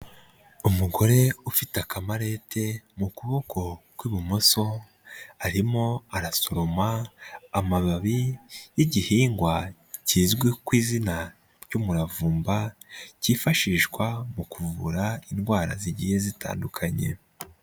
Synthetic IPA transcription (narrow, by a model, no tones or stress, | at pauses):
umuɡo̞ɾe̞ufitakamaɾe̞tʰe̞mukuβo̞ko̞kwiːβumo̞so̞ | aɾimo̞aɾasoɾomaː | maβaβijiɟihiːŋɡwa | ciːzɡwekwiːzina | ɾɟumuɾavuːmbaciːfaʃiːʃɡwamukuvuɾainɡwaːɾa̰ziɟije̞zita̰ːndukʰaɲe̞̰